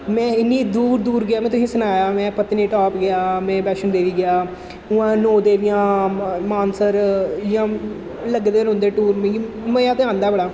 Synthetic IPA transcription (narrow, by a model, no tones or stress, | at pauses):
mɛ̃ːɪnːiːd̪uːɾd̪uːɾɡɪjaːmɛ̃ːt̪ʊsĩːsənaːjaːmɛ̃ːpət̪nĩːʈɔːpɡɪjaːmɛ̃ːbɛːʃənd̪eːʋiːɡɪjaː | ʊãːnoːd̪eːʋɪjãːmaːnsəɾjãː | ləɡd̪eːnɦʊ̃nd̪eːʈuːɾmẽːi | məjaːt̪eãːnd̪aːbəɽaː